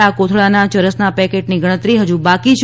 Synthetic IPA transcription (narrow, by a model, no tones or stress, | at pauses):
akot̪ʰɭanat͡ʃəɾəsnapɛkeʈniɡʱəɽ̃ət̪ɾiɦəd͡ʒũbakit͡ʃʰ